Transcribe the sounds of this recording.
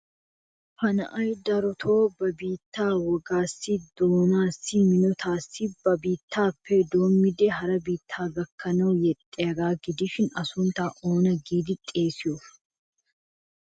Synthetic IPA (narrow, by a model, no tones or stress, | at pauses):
fɐnɐ̰ʔɐjd̪ɐɾɔt̪ʰo̞ːbɐbiːt̪ːaːwɔɡaːsːɪd̪oːnaːsːɪmɪnɔt̪ʰaːsːɪbɐbiːt̪ʰːaːpʰːed̪o̞ːmːɪd̪ɛɦɐɾɐbiːt̪ʰːaːɡɐkːɐnɐwjɛt̪ʼːɛjɐɡaːɡɪd̪ɪʃɪnɐsʊnt̪aːʔoːnɐɡiːd̪ɪt̪ʼːeːsɪjɔf